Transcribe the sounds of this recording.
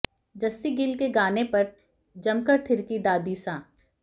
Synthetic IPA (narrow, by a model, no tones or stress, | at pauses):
d͡ʒɐsːiɡɪlkeɡaːnepɐɾ | d͡ʒɐmkəɾt̪ʰɪɾkid̪aːd̪isãː